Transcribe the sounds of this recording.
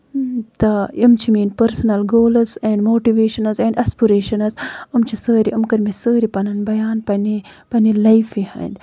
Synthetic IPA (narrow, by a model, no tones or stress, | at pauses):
t̪ɐimt͡ʃʰimiːnpɐɾsɐnɐlɡoːlɐzẽɳɖmoːʈiʋeːʃɐnɐzẽɳɖʔɐspiɾeːʃɐnɐzumt͡ʃʰisəːɾiʔumkɐɾmisəːɾipɐnɐnbɐjaːnpɐnipɐnilɐjfiha̰ːnd̪